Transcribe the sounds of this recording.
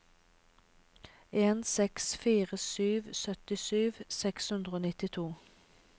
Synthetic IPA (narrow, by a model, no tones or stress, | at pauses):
eːnsɛksfiːʁəsyːʋsœt̪ɪsyːʋsɛkshʉnd̪ʁəoːnɪt̪ɪt̪ʰuː